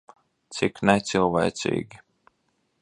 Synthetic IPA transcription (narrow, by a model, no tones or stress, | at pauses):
t̪siknɛt̪silˠvɛ̰ːt̪sʲḭːɡʲi